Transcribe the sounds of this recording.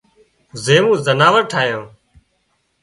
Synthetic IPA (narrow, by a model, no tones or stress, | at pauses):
zeːmũːzənaːʋəɾʈʰaːjõː